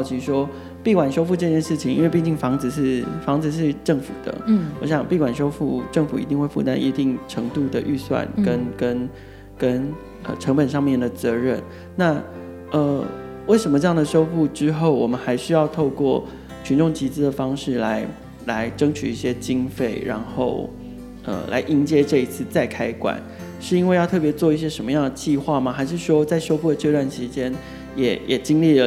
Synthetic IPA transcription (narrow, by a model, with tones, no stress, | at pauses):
jɑ˥˩ʊt͡ɕʰi˧˥ʂwɔ˥ | pi˥˩kwa˨˩nʂo˥ʊfu˥˧ʈ͡ʂɤ˥˧t͡ɕjɛ˥˧nʂɻ̩˥˩t͡ɕʰi˨˩ŋi˥nwe˥˧ɪpi˥˧t͡ɕi˥˩ŋfɑ˧˥ŋd͡zɹ̩˨˧ʂɻ̩˥˩fɑ˧˥ŋd͡zɹ̩˨˧ʂ̬ɻ̩˥˧ʈ͡ʂɤ˥˩ŋfṵ˨˩d̪̥ə̰˦wɔ̰˧˥ɕ̬jɑ˨˩ŋpi˥˩kwa˨˩nʂo˥ʊfu˥˧ʈ͡ʂɤ˥˩ŋfu˨˩i˧˥t̪i˥˧ŋwe˥˧ɪfṵ˥˩t̪a̰˥nʔḭ˧˥t̪i˥˩ŋʈ͡ʂʰɤ˧˥ŋt̪u˥˩d̪ə˩ʔy˥˧swa̰˥˩nkkə˦˥nkə˦˥n | kə˥n | ə˧˩ʈ͡ʂʰɤ˧˥ŋpə˨˩nʂ̬ɑ˥˧ŋmjɛ˥˩nd̪ə˩t͡sɤ˧˥ɻə˥˩n | na˥˩ | ə˧ | we˥˩ɪʂə˧˥nmə˧ʈ͡ʂɤ˥˧jɑ˥˩ŋd̪ə˩ʂo˥ʊpu˥˩ʈ͡ʂɻ̩˥xo˥˩ʊwɔ˨˩mə˦nxa˧˥ɪʂy˥jɑ˥˧ʊt̪ʰo˥˧ʊkwɔ˥˩ | t͡ɕʰy˧˥nʈ͡ʂʊ˥˩ŋt͡ɕi˧˥t͡sɹ̩˥d̪ə˨˩fɑ˥ŋʂɻ̩˥˩la˧˥ɪ | la˧˥ɪʈ͡ʂɤ˥ŋt͡ɕʰy̰˨˩i˥˩ɕjɛ˥t͡ɕi˥ŋfe˥˩ɪɻa̰˧˥nxo˥˩ʊ | ə̰˧˩lʔa̰˧˥ɪʔi˥nt͡ɕjɛ˥ʈ͡ʂɤ˥˩i˧˥t͡sʰɹ̩˥˧t͡sa˥˩ɪkʰa˥ɪkwa̰˨˩˦n | ʂɻ̩˥˩i˥nwe˥˧ɪjɑ˥˧ʊt̪ʰɤ˥˩p̬jɛ˧˥t͡swɔ˥˧i˥˩ɕ̬jɛ˥ʂə˧˥mə˧jɑ˥˩ŋd̪ə˩t͡ɕi˥˧xwa˥˩ma˩xa˧˥ɪʂɻ̩˥˩ʂwɔ˥t͡sa˥˩ɪʂo˥ʊpu˥˩d̪ə˩t͡ɕjo˥˧ʊtwa˥˩nɕi˧˥t͡ɕjɛ˥n | jɛ˨˩jʔɛ̰˨˩t͡ɕi˥ŋli˥˩lə˩